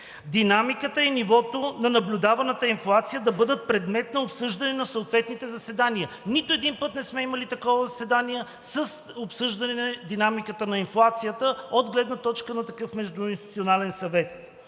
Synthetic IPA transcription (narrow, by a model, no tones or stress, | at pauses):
d̪inamikət̪əinivɔt̪onɐnɐblʲʊd̪avɐnət̪əinflˠat̪sijəd̪ɐbɤd̪ət̪̚pɾɛd̪mɛt̪nɐopsɤʒd̪ɐnɛnɐsoːt̪vɛt̪nit̪ɛzɐsɛd̪aniə | nit̪ʊɛd̪inpɤt̪nɛsmɛimɐlit̪ɐkɔvəzɐsɛd̪aniə | səs | opsɤʒd̪ɐnɛnd̪inamikət̪ənɐinflˠat̪sijət̪əod̪ɡlɛd̪nət̪ɔt͡ʃkənɐt̪ɐkɤfmɛʒd̪ʊinst̪i̥t̪sionalɛnsɐvɛt̪̚